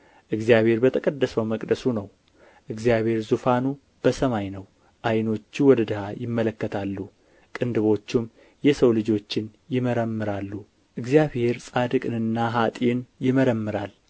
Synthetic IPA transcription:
ʔɨɡzijaβhe̞ɾbət̪ʰəkʼəd̪ːəsəwməkʼd̪əsunəw | ʔɨɡzijaβhe̞ɾzufanu | b̥əsəmajnəw | ʔajno̞t͡ʃːiwɔd̪əd̪ɨhajɪmːələkːət̪ʰalːu | kʼɨnd̪ɨβo̞t͡ʃːɪm | jɛsəwlɨd͡ʒo̞t͡ʃːɪnjɪməɾəmːɨɾalːu | ʔɨɡzijaβhe̞ɾsʼad̪ɨkʼɨnɨnːaɦat̪ʼinjɪməɾəmːɨɾal

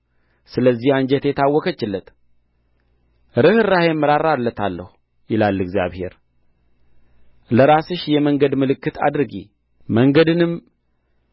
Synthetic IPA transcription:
sɨləzːihand͡ʒɛt̪jɛt̪ʰawːɔkət͡ʃːɪlːət̪ | ɾɨhɨrahɛmːɨɾaɾalːət̪ʰalːəhu | jɪlalːɨɡzija̰βhe̞̰ɾ | ləɾasɨʃjɛməŋɡəd̪mɨlɨkːɨt̪ʰa̰d̪ɾɨɡḭ | məŋɡəd̪ɨnɨm

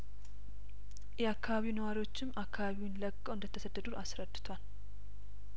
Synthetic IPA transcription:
jɛakʰːaβaβiwunəwaɾiwo̞t͡ʃːɪmakʰːaβaβiwnləkʼːəwʔɨnd̪ət̪ʰːəsəd̪ːəd̪uʔasɾəd̪ːɨt̪ʰwal

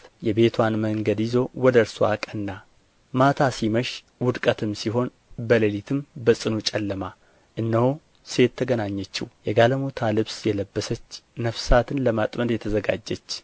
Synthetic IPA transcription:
jɛbe̞t̪ʰwanməŋɡəd̪jɪzo̞wɔd̪əɾsoa̰kʼənːa | mat̪ʰasiməʃ | wʊd̪kʼət̪ʰɨmsiɦo̞n | bələlit̪ʰɨmbəsʼɨnut͡ʃʼɛlːəma | ʔɨnːəho | se̞t̪ʰːəɡənaɲːɛt͡ʃːiwjɛɡaləmot̪ʰalɨβsjɛləbːəsət͡ʃːnəfsat̪ʰɨnləmat̪ʼməd̪jɛt̪ʰəzəɡa̰d͡ʒːət͡ʃː

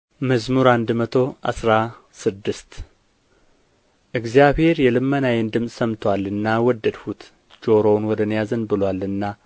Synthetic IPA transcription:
məzmuɾand̪mət̪ʰo̞ʔa̰sɾa | sɨd̪ːɨst̪ | ʔɨɡzijaβhe̞ɾjɛlɨmːənajɛnd̪ɨmsʼsəmt̪ʰwalːɨnːawɔd̪ːəd̪hut̪ | d͡ʒoɾownwɔd̪ənjazənbɨlwalːɨnːa

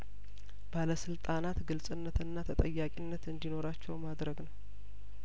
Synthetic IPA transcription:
b̥aləsɨlt̪ʼanat̪ɡɨlsʼɨnːət̪ɨnːat̪ʰət̪ʼəjːakʼinːət̪ɨnd̪ino̞ɾat͡ʃːɛwmad̪ɾəɡnəw

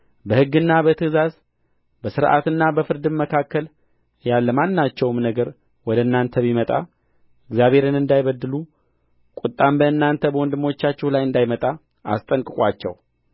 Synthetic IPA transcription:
bəhɨɡːɨnːabət̪ʰɨzaz | bəsɨɾʔa̰t̪ɨnːabəfɨɾd̪ɨnməkʰakːəl | jalːəmanːat͡ʃːɛwmnəɡəɾ | wɔd̪əɨnːant̪ʰəβimət̪ʼa̰ | ɨɡzjaβe̞ɾɨnɨnd̪ajβəd̪ːɨlu | kʼut̪ʼːambəɨnːant̪ʰəbəwɔnd̪ɨmo̞t͡ʃːat͡ʃːɛhlajɨnd̪ajmət̪ʼa | a̰st̪ʼəŋkʼɨkʼwat͡ʃːɛ̰w

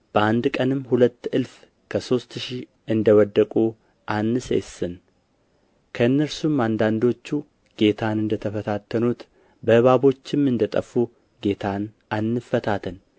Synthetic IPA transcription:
b̥əʔand̪kʼənɨmhulət̪ːɨlf | kʰəso̞st̪ʃi | ʔɨnd̪əwɔd̪ːəkʼu | ʔanːɨsḛsɨn | kʰəɨnːəɾsumand̪and̪o̞t͡ʃːu | ɡ̥e̞t̪ʰanɨnd̪ət̪ʰəfət̪ʰat̪ːənut̪ | bəhɨβaβo̞t͡ʃːɪmɨnd̪ət̪ʼəfu | ɡe̞t̪ʰan | anːɨfːət̪ʰat̪ʰən

